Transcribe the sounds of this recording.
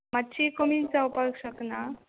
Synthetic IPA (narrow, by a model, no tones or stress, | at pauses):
matːt͡ɕikəmint͡saupakɕəkna